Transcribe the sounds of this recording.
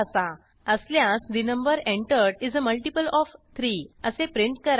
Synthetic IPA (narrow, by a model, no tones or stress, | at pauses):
əsa | əsljãsd̪inə̃mbəɾẽɳʈəɾɽid͡zəməlʈipəlɔft̪ʰɾiːəsepɾiɳʈ̚kəɾ